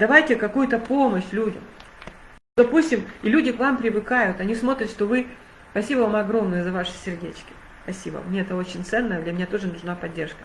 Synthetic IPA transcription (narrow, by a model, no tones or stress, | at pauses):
d̪ɐvajtʲɪkɐkujʊt̪əpo̞məɕlʲudʲə̰m | d̪ɐpusʲtʲɪmilʲudʲɪkvampɾʲɪvɨkajʊt̪ɐnʲismo̞t̪ɾʲɪt̪ʂt̪o̞vɨ | spɐsʲibəvamɐɡɾo̞mnɨjʊzɐvaʂɨ̥sʲɪrdʲet͡ɕkʲɪ̥ | spɐsʲibə̰mnʲeɛt̪əo̞t͡ɕɪnʲt̪sɛnːəjəd̪lʲmʲɪnʲat̪o̞ʐɨnʊʐnapɐdʲːe̞rʂkə̥